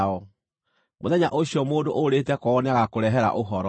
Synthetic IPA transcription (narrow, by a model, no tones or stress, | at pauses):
ɔ | moðɛɲaʔoɕiɔmoːndoʔoɾetɛkɔːneaɣakoɾɛɦɛɾa̰ʔoɦɔɾɔ